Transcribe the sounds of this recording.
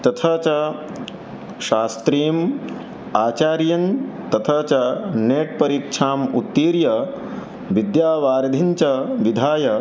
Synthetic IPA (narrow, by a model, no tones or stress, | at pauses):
t̪ɐt̪ʰɐt͡ʃɐ | ʃaːst̪ɾiːm | aːt͡ʃaːɾjɐnt̪ɐt̪ʰɐt͡ʃɐneːʈ̚pɐɾiːkʂʰaːmut̪ːiːɾjɐ | ʋid̪jaːʋaːɾɐd̪ʱiɲt͡ʃɐʋid̪ʱaːjɐ